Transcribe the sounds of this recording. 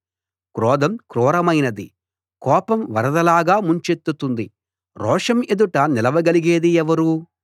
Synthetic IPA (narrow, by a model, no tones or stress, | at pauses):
kɾɔːd̪ɐmkɾɔːɾɐmɐjnɐd̪ḭ | kɔːpɐmʋɐ̰ɾɐd̪ɐlaːɡaːmuɲt͡ʃet̪ːut̪und̪i | ɾɔːʂɐmed̪uʈɐnilɐʋɐɡɐliɡeːd̪iɛʋɐɾu